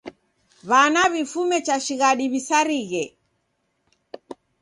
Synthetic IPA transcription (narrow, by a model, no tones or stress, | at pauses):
βanaβifumɛt͡ʃaʃiɣaɗiβisaɾiɣɛ